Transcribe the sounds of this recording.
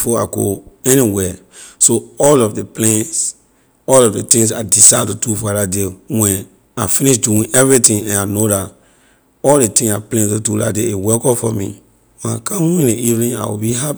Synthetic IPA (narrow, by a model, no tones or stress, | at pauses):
fɔa̰ɡo̰ɛniwɛsoɔlɔfdeplẽns | ɔlɔfdetĩŋs̬adisaj̚tudufɔɾadewɛ̃n | afĩniʃduĩɛvɹitĩŋɛ̃nanodat | ɔldetĩŋaplẽnsotula̰deewɛkɔfɔmḭ | wɛ̃na̰kʰãmwĩneivnĩŋa̰wḭbiɦapi